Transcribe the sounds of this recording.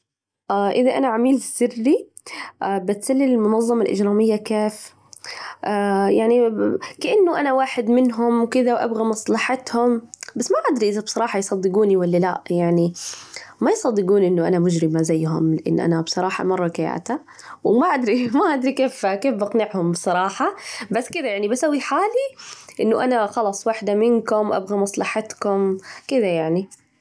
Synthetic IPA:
ʔaːʔɪðaʔanaʕamiːlsɪrːi | ʔaːbɪt̪salːɪlɪlmʊnɑðˤːɑmalʔɪ̰d͡ʒɾɑːmɪjːakeːf | ʔajaʕnikaʔanːʊʔanawaːħɪd̪mɪnɦʊmwkɪðawʔa̰bɣamɑsˤlɑħɑt̪hʊmbasːmaʔad̪ɾiʔɪðabsˤɑɾˤɑːħɑjsˤɑd̪ːɪɡuːniwalːalaʔjaʕni | majsˤɑd̪ːɪɡuːnʔɪnːʊʔa̰namʊd͡ʒɾɪmazajːɦʊ̰mlɪʔɪ̰nːʔa̰nabsˤɑɾˤɑːħɑ̰mɑrˤːɑɡaja̰ːt̪a | wmaʔad̪ɾimaʔad̪ɾikeːfkeːfbʔɑqnɪʕhʊmbsˤɑɾˤɑːħɑbasːkɪd̪ajaʕnibasawːiħaːliʔɪnːʊʔanaxɑlɑsˤwaħd̪amɪnkʊmwʔa̰bɣamɑsˤlɑħɑt̪kʊmkɪd̪ajaʕni

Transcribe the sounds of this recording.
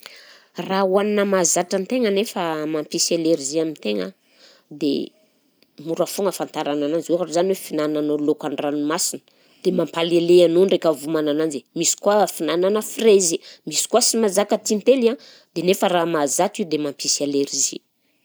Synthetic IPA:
rawaninəmazaʈ͡ʂant̪eŋənefəmampisaleɾiziamint̪eŋə̰ | d̪ḛ | muɾafuŋɡəfant̪aɾanananzweɦaɾuzaniwefinananolokanranumasinə̥ | d̪̥emampaleleanonrekəvumanananzemisi̥kuafinananəfirezimisi̥kuasimazakət̪int̪elia | d̪enefəramazatid̪emampʰisaleɾizḭ

